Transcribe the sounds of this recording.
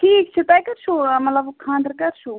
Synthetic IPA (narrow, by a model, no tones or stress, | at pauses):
ʈʰiːkt͡ʃʰit̪ajkɐɾt͡ʃʰumɐt̪ləbkʰãːnd̪ɾkɐɾt͡ʃʰu